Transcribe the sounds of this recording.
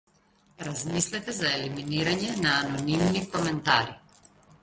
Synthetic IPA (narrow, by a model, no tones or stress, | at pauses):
ɾazmislɛt̪ɛzaɛliminiɾaɲɛnaːnɔnimnikɔmɛnt̪aɾi